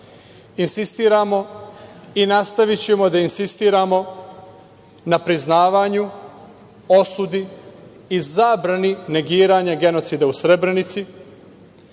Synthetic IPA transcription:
insist̪iːɾamo̞ | inast̪aʋit͡ɕe̞mo̞d̪ainsist̪iːɾamo̞ | napɾiznaːʋaːɲu | o̞sud̪iː | zaːbɾanine̞ɡiːɾaɲaɡe̞no̞t̪sid̪ausɾe̞bɾe̞nit̪si

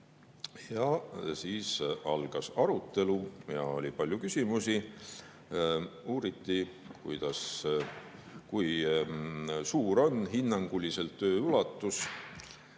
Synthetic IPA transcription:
jɑsiːsɑlɡ̥ɑsɑɾut̪ˑːe̞lujɑ̰o̞̰lʲipɑlʲjukysʲimusi | uːɾit̪ːi | kujd̪̥ɑs | kuj | suːɾo̞nɦinːɑŋɡ̥ulʲːise̞lt̪ːø̞ːylɑt̪ˑːus

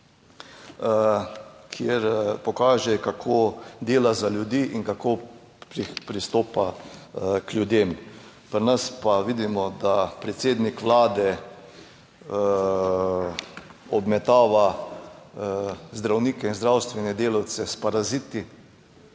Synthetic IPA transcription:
kʰjeɾpɔkaːʒɛkakʰoːd̪eːlazaljud̪iːʔiŋkakoː | ɾipɾist̪oːpa | klʲjud̪eːm | pəɾnɐspaʋid̪imɔd̪apɾɛt̪seːd̪nikʋlaːd̪ɛ | ɔbmɛt̪aːʋa | zd̪ɾawniːkɛinzd̪ɾawst̪ʋɛnɛd̪eːlawt̪sɛspaɾazit̪i

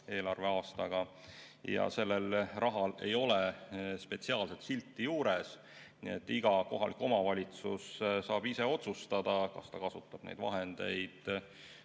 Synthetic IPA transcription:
e̞ːlɑrve̞ɑːst̪ɑɡ̥ɑ | jɑ̰se̞lːelrʔɑɦɑle̞̰jo̞lespe̞t̪siɑːlse̞t̪silt̪ːijuːɾe̞s | nḭet̪ːˑiɡ̥ɑko̞ɦɑlikːo̞mɑvɑlʲit̪sussɑːb̥ise̞o̞t̪sust̪ɑd̪̥ɑkɑst̪ɑkɑsut̪ːˑɑb̥nḛjd̪vɑ̰ɦe̞nd̪e̞jd̪̥

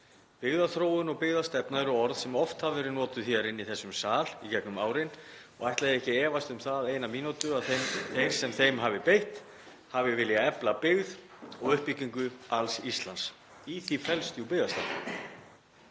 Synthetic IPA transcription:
pɪɣðaθɾoːwʏnɔɣpɪɣðast̪ɛpnaɾʏɔɾðsɛmɔft̪havɛːɾɪnɔːt̪ʏθiaɾɪnːiθɛsːʏmsaːlicɛknʏmaːwɾɪnɔɣajht̪aðɪɛhcɪɛːvast̪ʏmθaðejnamiːnut̪ʏɾaðθθejɾ̥sɛmθejmɦavɪpejht̪ | havɪvɪljaɛplapɪɣð | ɔɣʏhpiciŋkʏalsist̪lans | iθifɛlst̪juwpɪɣðast̪ɛpna

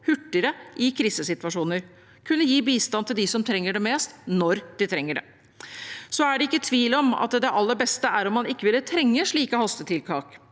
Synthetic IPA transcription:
hʉʈːəɾəʔɪkʰɾiːsəsɪt̪ʋɑʂuːnəɾ | kʰʉnːəjiːbiːst̪ɑnt̪ʰɪld̪ɪsɔmt̪ʰɾɛŋːəɖɛmeːst̪nɔɾd̪̥ɪt̪ʰɾɛŋːəɖɛ̰ | sɔæɖɛɪkːət̪ʰʋiːlɔmɑ̰t̪̚d̪ɛʔɑlːəbɛst̪əæɾɔmːɑnɪkːəʋɪlːət̪ʰɾɛŋːəʂɭiːkəhɑst̪ət̪ʰɪlkʰɑːk

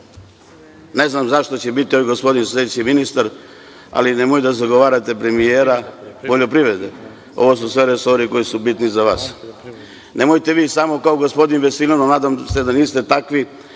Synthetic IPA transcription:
ne̞znamzaʃt̪o̞t͡ɕebit̪ioijɡospo̞d̪inslʲed̪et͡ɕiminist̪aɾ | a̰linemojud̪azaɡo̞ʋaːɾat̪e̞pɾe̞mijeːɾapoʎopɾiʋɾed̪e | o̞̰ʋos̬usʋe̞ɾeso̞ɾiko̞isubit̪nizaʋaːs | ne̞mojt̪e̞ʋiːsamo̞kaoɡospo̞d̪inʋesilʲononaːd̪amse̞d̪aniːst̪e̞t̪akʋi

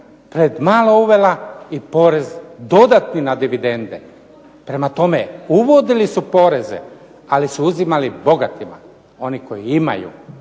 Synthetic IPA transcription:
pɾed̪maːlouʋe̞laipo̞ːɾe̞zd̪o̞d̪at̪ninad̪iʋid̪e̞nd̪ḛ | pɾe̞mat̪o̞me̞uʋo̞d̪ilisupo̞ːɾe̞zḛ | alisuuzimalibo̞ɡat̪ima̰ | o̞niko̞jiima̰jṵ

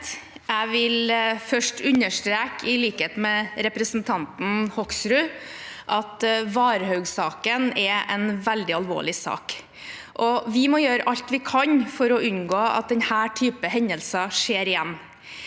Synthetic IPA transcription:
æɪʋɪlfœʂʈʉɲːəʂʈɾeːkʰɪliːkəheːt̪mɛɾɛpɾəsnt̪ʰɑnt̪n̩hɔksɾʉʔɑt̪ʋɑːɾəhœʉɡsɑːkənɛʔɛnʋɛld̪ɪɑlʋo̰ːɭɪsɑ̰ːk | ʔɔʋɪmɔjøːɾəʔɑʎt̪ʋɪkʰɑɲfɔɾɔʉɲɡoːɑ̰t̪̚d̪ɛnhæːʈʰyːpəɦɛɲəlsɑʂeːɾɪjɛnː

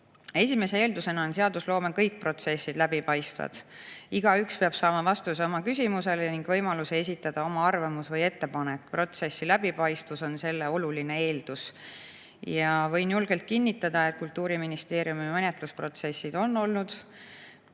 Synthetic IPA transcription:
e̞s̬ʲime̞se̞e̞ːld̪use̞nɑonse̞ɑd̪uslo̞ːmekɤjk̚pro̞t̪se̞sːid̪̥læbipɑjst̪vɑ̰d̪̥iɡ̥ɑykspeɑb̥sɑːmɑvɑst̪useo̞mɑkysʲimuse̞leniŋɡ̥vɤ̞jmɑlusee̞s̬ʲit̪ːˑɑd̪̥ɑo̞mɑɑrvɑmusvɤje̞t̪ːe̞pɑnekːpro̞t̪se̞sːilæbipɑjst̪uso̞nse̞lːeo̞luline̞e̞ːld̪̥us | jɑvɤ̞jnjulɡ̥e̞lt̪̚kinʲːit̪ːˑɑd̪̥ɑe̞t̪̚ˑkult̪ːˑuːɾiminist̪e̞ːɾjumimenʲet̪luspro̞t̪se̞sːid̪̥o̞nːo̞lnud̪̥

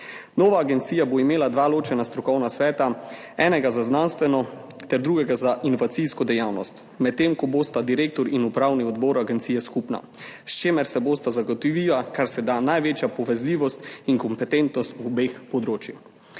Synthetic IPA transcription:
nɔːʋaːɡɛnt̪sijaboimeːlad̪ʋaːloːt͡ʃɛnast̪ɾɔkɔwnasʋɛːt̪a | ɛːnɛɡazaznanst̪ʋɛnɔ | t̪ɛɾd̪ɾuːɡɛɡazaʔinɔʋat̪siskɔd̪ɛjawnɔst̪ | mɛt̪ːemkɔboːst̪ad̪iɾeːk̚t̪ɔɾinupɾawniɔd̪bɔːɾaɡɛnt̪siːjɛskupna̰st͡ʃeːmɛɾsɛboːst̪azaɡɔt̪ɔʋiːlakaɾsɛd̪anajʋeːt͡ʃjapɔʋɛzliːʋɔst̪iŋkɔmpɛt̪ɛnt̪nɔst̪uɔbexpɔd̪ɾoːt͡ʃjix

